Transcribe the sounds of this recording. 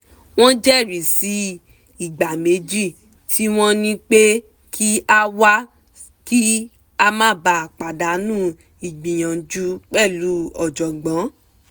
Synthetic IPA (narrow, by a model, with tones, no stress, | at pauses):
w̃ɔ̃˦d͡ʒɛ˦˨ɾi˨si˨˦ | i˨ɡ͡ba˨me˨˦d͡ʒi˦˨ | tʰi˦w̃ɔ̃˦nĩ˦k͡pe˦ | kʰi˦a˦wa˦ | ki˦ | a˦mã˦ba˨k͡pa˨da˨˦nũː˦˨ | i˨ɡ͡bĩ˨j̃ã˨˦d͡ʒu˦k͡pɛ˦˨lu˨˦ɔ˨d͡ʒɔ˨ɡ͡bɔ̃˨˦